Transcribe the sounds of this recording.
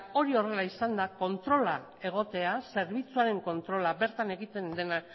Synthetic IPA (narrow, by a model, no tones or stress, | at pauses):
o̞ɾio̞re̞laisand̪ako̞nt̪ɾo̞la | e̞ɣ̞o̞t̪e̞ase̞ɾβ̞it͡suaɾe̞ŋko̞nt̪ɾo̞laβe̞ɾt̪ane̞ɣit̪e̞nd̪e̞nak